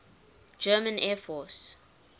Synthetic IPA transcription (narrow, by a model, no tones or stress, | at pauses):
d͡ʒɜːmə̃nɛːfɔˑs